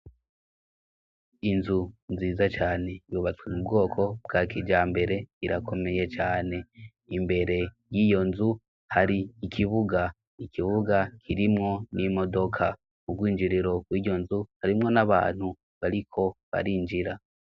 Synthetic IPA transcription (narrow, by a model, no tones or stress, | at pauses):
inzunziːzat͡ʃaːne̞juβat͡swemubɡo̞ːkʰo̞b̚ɡaːkʰiɟaːmbe̞ɾe̞iɾakʰo̞me̞je̞t͡ʃaːne̞ | imbe̞ɾe̞ | jijo̞nzu | haɾiːkʰiβuɡa | ikʰiβuɡakʰiɾimŋo̞nimo̞do̞kʰa | ub̚ɡwiːɲd͡ʒiɾiɾo̞ɡwiːɟo̞nzuhaɾimŋo̞naβa̰ːn̥hu | βaɾikʰo̞βa̰ɾind͡ʒiɾa